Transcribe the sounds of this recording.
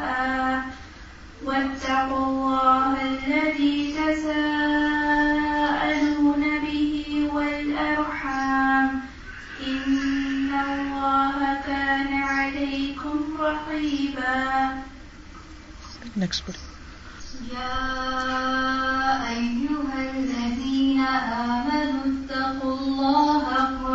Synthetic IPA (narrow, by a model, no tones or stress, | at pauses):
ʔaː | wat̪ːɑqʊlˤːɑːhʔlːaðiːt̪asaː | ʔaluːnabɪhiwalʔɑɾˤħaaːm | ʔɪnːalˤːɑːhakaːnaʕalajkʊmɾˤɑqiːbaː | nɛks | jaː | ʔajːʊɦalːaðiːnaʔaːmanʊt̪ːɑqʊlˤːɑːha